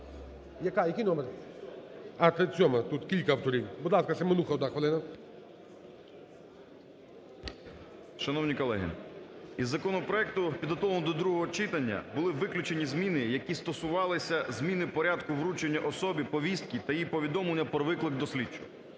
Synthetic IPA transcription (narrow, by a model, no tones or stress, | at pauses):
jɐkajɐkʲijnɔmɛɾ | ɐt̪et͡sʲɔmɐt̪ut̪kʲilʲkɐɐwt̪ɔɾʲiwbʊd̪lˠɑskɐsʲɐmenuxɐɔd̪naxʋɐlˠɪnɐ | ʃɐnɔwnʲikɔlˠɛɦɪ̰izːɐkɔnɔpɾɔɛk̚t̪ʊpʲid̪ɦɔt̪ɔʋɐnɔd̪ɔd̪ɾuɦɔɦɔt͡ʃɪt̪ɐnʲːɐ̰bʊlˠɪʋɪklʲʊt͡ʃenʲizmʲinɪjɐkʲist̪ɔsʊʋɑlˠɪsʲɐzmʲinɪpɔɾʲad̪kʊʋɾut͡ʃenʲːɐʔɔsɔbʲipɔʋʲist̪̚kʲit̪ɐjipɔʋʲid̪ɔmlˠenʲːɐpɾɔʋɪklˠɪk̚d̪ɔsʲlʲit͡ʃːʊ̥